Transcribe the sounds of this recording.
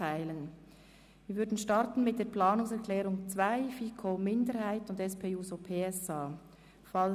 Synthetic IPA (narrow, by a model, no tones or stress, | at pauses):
aɪlən | viːɾvʏɾdn̩ʃtɑɾtn̩mɪt̚d̥eːɾplaːnʊŋsɛɹkʰlɛːɾʊŋt͡svaɪfiːkʰoːmɪndəɾhaɪtʊndɛspʰeːuːzopʰeːɛsaː | fal